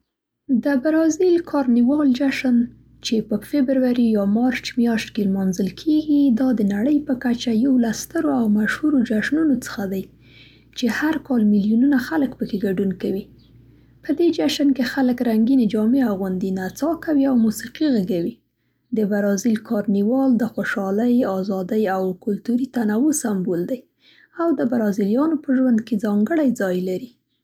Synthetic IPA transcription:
d̪əbaɾɑzilkʰɑɾniwɑld͡ʒaʃən | t͡ʃepəfebɾwaɾijɑmɑɾt͡ʃmjɑʃt̪kelmɑnzəlkʰeɡid̪ɑd̪ənaɽəjpəkat͡ʃajawlast̪əɾoawmaʃhuɾod͡ʒaʃnunot͡sə̥xad̪aj | t͡ʃehaɾkɑlmilijununaxaləkpəkeɡaɖunkawi | pəd̪ed͡ʒaʃankexaləkɾaŋɡined͡ʒɑmeaɣwʊnd̪inat͡sɑkawiawmusiqiɣaɡawi | d̪əbaɾɑzilkʰɑɾniwɑld̪əxoʃɑləjɑzɑd̪əjawkʊlt̪uɾit̪anawusambold̪aj | awd̪əbaɾɑzilijɑnopəʒwand̪ked͡zɑŋɡəɽajd͡zɑjlaɾi

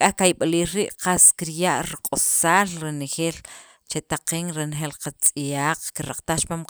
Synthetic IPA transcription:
kʼahkajɓaliːɾɾiːʔqaskiɾjaʔɾiqʼosaːlɾenexeːl | t͡ʃet̪aqiːŋɾenexeːlqat͡sʼijaːq͡χkiɾaq͡χt̪aχt͡ʃpam

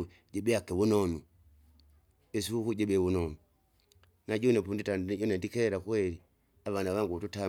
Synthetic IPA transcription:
ɟɛbɛakɛwunɔnu | ɛsiukuɟɛɓɛβunɔnu | naɟɔnɛpunditaɟɔnɛndikɛɾakwɛɾi | aβanaβaŋɡututa

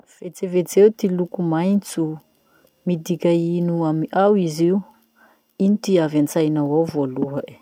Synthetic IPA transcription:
v̥et͡sevet͡sewt̪ilukumajnt͡su | mid̪ikʲainuamiʔawiziu | init̪iavant͡sajnawawvoluɦə̥

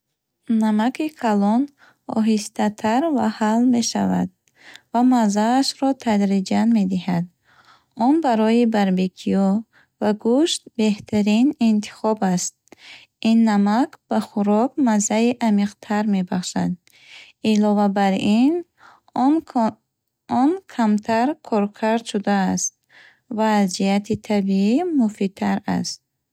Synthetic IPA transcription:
namakʰikʰalɔn | ɔ̰ɦist̪ʰat̪ʰaɾvahalme̞ʃa̰va̰d̪̚ | vamazaːʃɾɔt̪ʰad̪ɾid͡ʒanme̞d̪ihad̪ | ɔnbaɾɔibaɾbekʰiɔ | vaɡuʃt̪̚be̞ht̪ʰaɾinint̪ʰi̥χɔbast̪̚ | inːamakb̥aχuɾɔkmazaiʔamiqt̪ʰaɾme̞baχʃad̪ | ilɔvabaɾin | ɔnkʰamt̪ʰaɾkʰɔɾkʰaɾd̪ʃud̪aːst̪̚ | vaːzijat̪ʰit̪ʰabiimufit̪ʰaɾa̰st̪̚

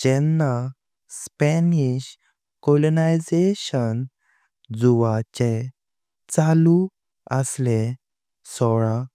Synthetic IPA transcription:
t͡ɕɛnːa | spɛniɕ | kɔlonajd͡zeɕən | d͡zuʋat͡ɕe | t͡salu | əsle | sɔɭa

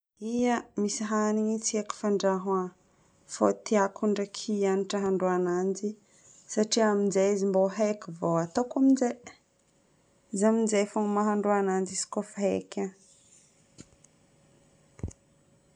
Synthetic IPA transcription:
ijəmisiɦaniɲit͡sieku̥faɳɖ͡ʐaɦwa | fot̪iakʰuɳɖ͡ʐəkʰianiʈ͡ʂəɦaɳɖ͡ʐuanand͡ʒi | saʈ͡ʂiaminzaizimboɦekivoat̪okaminze | izaminzefoŋmaɦaɳɖ͡ʐuanand͡ʒisi̥kofaɦḛkʲa

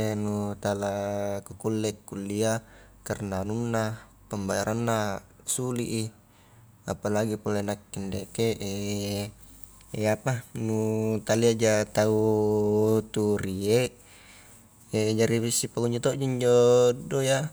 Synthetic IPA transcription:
enut̪alakukulːɛkːulːia | karnanunːa | pəmbajaɾʔanːa | suliʔi | apalaɡipolenakːindekeʔe | eapanut̪aliad͡ʒat̪au | t̪uɾieʔ | ed͡ʒaɾiβisːipaɡuɲd͡ʒot̪oʔd͡ʒaiɲd͡ʒodoja

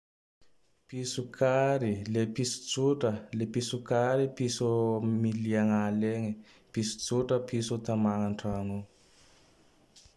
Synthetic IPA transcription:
pisukʰaɾilepisu̥t͡suʈ͡ʂalepisukaɾipisomiliaŋaleŋe | pisu̥t͡suʈ͡ʂapisut̪amaŋaɳʈ͡ʂaŋu

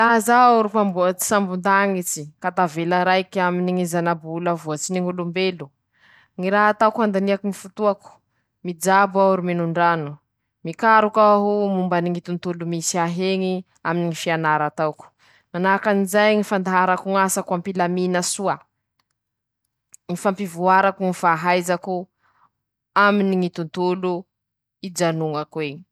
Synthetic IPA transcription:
lazauɾupambuat͡si̥sambund̪aŋit͡sikat̪avelaɾajkaminiŋizanabulavuat͡siniŋulumbelu̥ | ŋiɾaɦat̪awkuand̪aniakuŋifut̪uaku̥ | mid͡ʒabauɾuminuɳɖ͡ʐanu | mikaɾukaɦumumbaniŋit̪unt̪ulumisiaɦeŋi | aminiŋifianaɾat̪awku̥ | manakanizajŋifand̪aɦaɾakuŋasakampilaminasua | ŋifampivuaɾakuŋifaɦajzaku | aminiŋit̪unt̪ulu | id͡ʒanuŋakweɲi̥

